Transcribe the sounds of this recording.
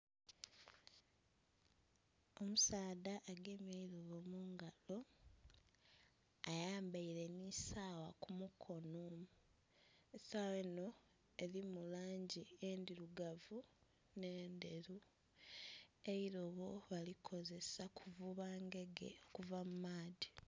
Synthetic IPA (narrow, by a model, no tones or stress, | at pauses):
o̞musaːdaʔːɡe̞mjaiɾoβomuːŋɡalo̞ | ajaːmbaiɾe̞nisaːwakumukʰo̞nom | esawe̞no̞ | eɾimulaːɲɟieːndiɾuɡavu | ne̞ːnde̞ɾu | eiɾo̞βo̞βalikʰo̞ze̞sakʰuvuβaːŋɡe̞ɡe̞̰okuvamumaːdi